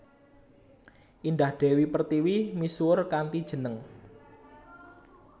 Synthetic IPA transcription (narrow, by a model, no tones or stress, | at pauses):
ʔind̪ahd̪̥ɛ̤wipərt̪iwimisuʊrkant̪id̥ʒ̥ə̤nəŋ